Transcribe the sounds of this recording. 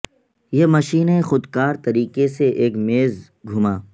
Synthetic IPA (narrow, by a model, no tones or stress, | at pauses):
jemɐʃiːnexʊd̪kaːɾt̪ɐɾiːkeseʔeːkmeːz | ɡʱʊmaː